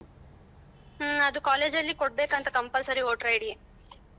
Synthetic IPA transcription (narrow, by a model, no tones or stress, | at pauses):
ɐd̪ukaːle̞ːd͡ʒɐlːikoɽ̚beːkɐnt̪ɐkɐmpɐlsɐɾioːʈɾɐjɽie